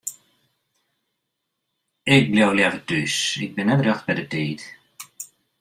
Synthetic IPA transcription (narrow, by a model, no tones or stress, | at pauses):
ɪk̚blɛwljɛvədysɪ̰k̚bɪnːɛdrɛxt̚bɛdəteːt